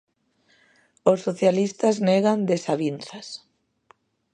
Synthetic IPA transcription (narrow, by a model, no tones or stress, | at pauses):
osːoθjalist̪azneɣand̪esaβinθas